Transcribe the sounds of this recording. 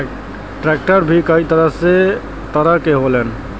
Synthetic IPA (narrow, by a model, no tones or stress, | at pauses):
ʈɾɛk̚ʈəɾbʱikəit̪əɾəɦse | t̪əɾəɾkeɦolɛn